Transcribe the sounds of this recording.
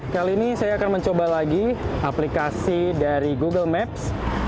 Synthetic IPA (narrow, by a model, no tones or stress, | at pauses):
kaliːnisajaːkanməɲt͡ʃobalaɡiaplikasidaɾiɡuɡəlmɛp̚s